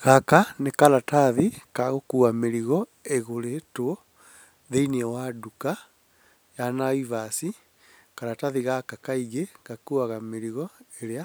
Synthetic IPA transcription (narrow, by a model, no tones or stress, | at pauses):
ɣakanekalataðikaɣokuameɾiɣɔ | eɣoɾetwɔ | ðeiniɛwaduka | janaivasi | kaɾataðiɣakakaiɣeɣakuaɣameɾiɣɔeɾea